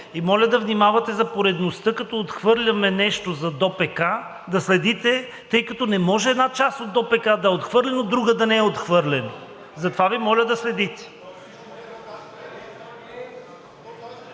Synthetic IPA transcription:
imɔlʲɐd̪ɐvnimavɐt̪ɛzɐpoɾɛd̪nost̪ɤkɐt̪ɔot̪xvɤɾlʲɐmɛnɛʃt̪ozɐd̪ɔpɛka | d̪ɐslɛd̪it̪ɛ | t̪ɤjkɐt̪ɔnɛmɔʒɛːd̪nat͡ʃast̪od̪ːɔpɛkad̪ɐɛot̪xvɤɾlʲɛnod̪ɾuɡəd̪ɐnɛɛot̪xvɤɾlʲɛno | zɐt̪ovavimɔlʲəd̪ɐslɛd̪it̪ɛ̥

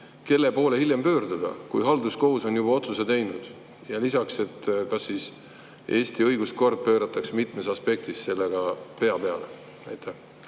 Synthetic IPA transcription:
ke̞lːe̞po̞ːle̞hilʲjempø̞ːrd̪ud̪̥ɑ̰kujɦɑld̪usko̞ɦuso̞njub̥ɑo̞t̪suse̞t̪ejnud̪̥ | jɑlisɑkse̞t̪ːkɑsːis | ʔe̞ːst̪iɤjɡ̥usko̞rd̪̥̚pø̞ːɾɑt̪ːˑɑksmit̪mesɑspe̞k̚t̪isse̞lːe̞ɡ̥ɑpe̞ɑpe̞ɑ̰le̞̰ | æjt̪ːˑeh

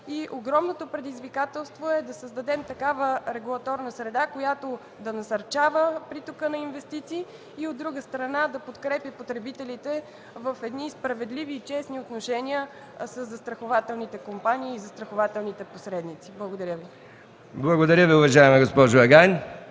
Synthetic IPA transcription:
iʔoɡɾɔmnot̪opɾɛd̪izvikat̪ɛlˠst̪voɛd̪ɐsəzd̪ɐd̪ɛmt̪ɐkavəɾɛɡulˠɐt̪ɔɾnəsɾɛd̪akojat̪o | d̪ɐnɐsɐɾt͡ʃavəpɾit̪okənɐinvɛst̪it̪siː | od̪ːɾuɡəst̪ɾɐnad̪ɐpot̪kɾɛpjəpot̪ɾɛbit̪ɛlit̪ɛ | vəfɛd̪nispɾɐvɛd̪liviːt͡ʃɛsniot̪noʃɛnʲiə | səzːɐst̪ɾɐxovat̪ɛlˠnit̪ɛkompanʲiːzɐst̪ɾɐxovat̪ɛlˠnit̪ɛposɾɛd̪nit̪siblˠəɡod̪ɐɾʲjəvi | blˠɐɡod̪ɐɾʲjəviʊvɐʒaɛmɛɡospɔʒʊɛɡajn

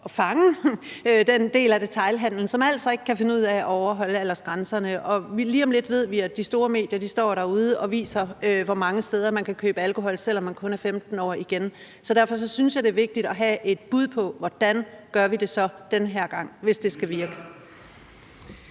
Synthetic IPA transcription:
ɒ̽fɑ̈ŋə | ød̥end̥e̝̰ːlæd̥e̝t͡sʰɑ̈ɪlɦæn̰ln̩sɒ̽mæl̰sɐe̝ɡ̥ə̥kʰæfe̝nəuð̰ˠæʔɒʊɐɦɒ̽l̰əælɐsɡ̥ʁansɐnəʔɒ̽ʋiliːɒ̽mle̝d̥ʋe̝ð̞̰ˠʋiæd̥isd̥o̝ːɐme̝̰ːd̥jɐd̥isd̥ɒ̰ːɾ̥ɑːuð̞ˠəʔɒ̽ʋḭːsɐøʋɒmɑ̈ŋəsd̥eːð̞ˠɐmænkʰækʰøːb̥əælkʰo̝ɦɒ̽l̰sel̰ɒ̽mːænkʰɔ̽næɐfemd̥n̩ɒ̰ːiɡ̥en | sɒ̽d̥æɐ̰fɒ̽s̬ɒ̽synsjɑ̈ɪd̥e̝ɐʋe̝ɡ̥̚d̥id̥ɒ̽ɦæʔe̝d̥̚b̥uð̞̰ˠpʰɒ̽ʋɒd̥ænɡ̥ɶɐʋide̝sɒ̽d̥enəɦeɐ̰ɡ̥ɑ̈ŋ̰ʋe̝sd̥e̝sɡ̥æʋiɐɡ̥ə̥

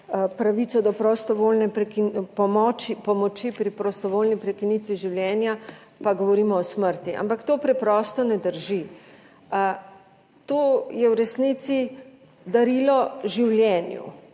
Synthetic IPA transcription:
pɾaʋit̪sɔd̪ɔpɾɔst̪ɔʋolnɛpɾɛkipɔmɔt͡ʃipɔmɔt͡ʃipɾipɾɔst̪ɔʋoːlnipɾɛkinit̪ʋiʒiwljɛːnjapaɡɔʋɔɾiːmɔɔsməɾt̪iʔa̰mpakt̪oːpɾɛpɾɔːst̪ɔnɛd̪əɾʒi | t̪oːjɛwɾɛsnit̪si | d̪aɾiːlɔʒiwljɛnjṵ

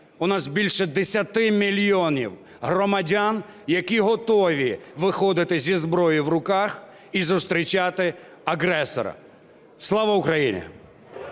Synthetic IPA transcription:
ʊnɑzbʲilʲʃɛd̪esʲɐt̪ɪmʲilʲjɔnʲḭw | ɦrɔmɐdʲan | jɐkʲiɦɔt̪ɔʋʲiʋɪxɔd̪ɪt̪ɪzʲizbɾɔjiwrʊkax | izʊst̪ɾʲit͡ʃat̪ɪ | ɐɦɾɛsɔ̰ɾɐ̰ | slˠɑʋɐʊkɾɐjinʲḭ

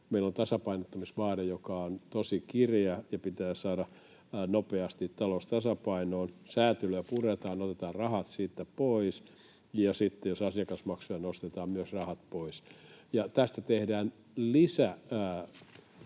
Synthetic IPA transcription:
meilont̪ɑsɑpɑinot̪ːɑmisʋɑːrejokɑont̪osikirjɑjɑpit̪æːsɑːdɑ | nopeɑst̪it̪t̪ɑlost̪ɑsɑpɑinoːnsæːt̪yløæpuret̪ɑːnot̪et̪ɑːrrɑhɑt̪siːt̪ːæpois | jɑsit̪ːejosɑsjɑkɑsmɑksujɑnost̪et̪ɑːmmyøsrɑhɑt̪̚poisjɑt̪æst̪æt̪ehdæːn | lisæː

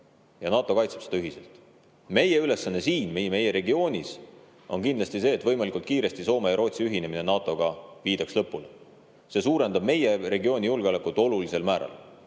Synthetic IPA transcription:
jɑnɑːt̪ːˑo̞kɑjt̪sepse̥ɑyɦise̞lt̪ˑ | me̞je̞yle̞sːɑnːe̞siːnmejme̞jeɾe̞ɡio̞ːnʲis | o̞nkind̪lɑsʲt̪ise̞ːt̪ːvɤ̞jmɑlikˑult̪kiːɾe̞st̪iso̞ːmejɑɾo̞ːt̪siyɦine̞mine̞nɑːt̪ːˑo̞ɡ̥ɑviːd̪̥ɑkslɤpːule | se̞ːsuːɾe̞nd̪ɑb̥me̞jere̞ɡioːnʲijulɡ̥eo̞lekːˑut̪ːˑo̞lulise̞lmæːɾɑ̰l

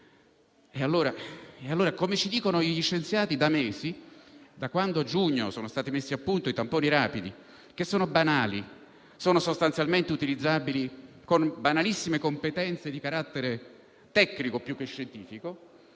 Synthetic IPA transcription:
ealːoːɾaealːoːɾakomet͡ʃid̪iːkonoiʎiʃːent̪sjaːt̪id̪ameːzid̪akwand̪oad͡ʒuɲːosoːnost̪aːt̪imesːiapːunt̪oit̪ampoːniɾaːpid̪ḭ | k̟esːoːnobanaːlḭ | soːnosost̪ant̪sjalment̪eut̪ilid̪zːaːbili | konbanalisːimekompet̪ɛnt̪sed̪ikaɾat̪ːeɾe | t̪ɛkːnikopjukːeʃːent̪iːfiko

